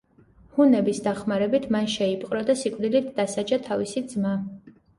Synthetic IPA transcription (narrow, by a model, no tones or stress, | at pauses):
hunɛbisd̪aχmaɾɛbit̪ʰmanʃɛipʼqʼɾɔd̪asikʼvd̪ilit̪ʰd̪asad͡ʒat̪ʰavisid̪zma